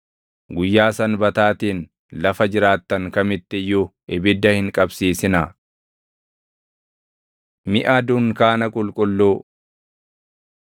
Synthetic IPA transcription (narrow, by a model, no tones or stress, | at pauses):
ɡʊjːaːsɐnbɐt̪aːt̪iːn | lɐfɐd͡ʒɪɾaːt̪ːɐŋkɐmɪt̪ːɪjːʊʔɪbɪd̪ːɐhɪŋkʼɐbsiːsɪnɐ | mɪʔad̪ʊŋkaːnɐkʼʊlkʼʊlːoː